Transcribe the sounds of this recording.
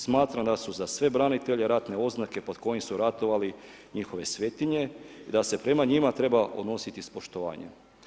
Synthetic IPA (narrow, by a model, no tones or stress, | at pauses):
smaːt̪ɾamd̪asuzasʋe̞bɾanit̪e̞ʎeɾat̪ne̞o̞znake̞po̞d̪ko̞jimsuɾat̪o̞ʋali | ɲixo̞ʋe̞sʋe̞t̪iɲe̞id̪ase̞pɾe̞maɲimat̪ɾe̞bao̞d̪no̞sit̪ispo̞ʃt̪oʋa̰ːɲḛ